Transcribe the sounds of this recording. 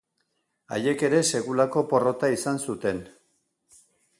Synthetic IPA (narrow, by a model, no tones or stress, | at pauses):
a̰je̞ke̞ɾe̞se̞ɣulako̞po̞ro̞t̪aisansut̪e̞n